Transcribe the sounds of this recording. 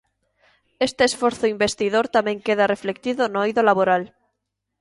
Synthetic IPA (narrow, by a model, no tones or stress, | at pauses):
est̪eːsfoɾθoimbest̪iðoɾt̪amẽŋkeðareflekt̪iðonoojðolaβoɾal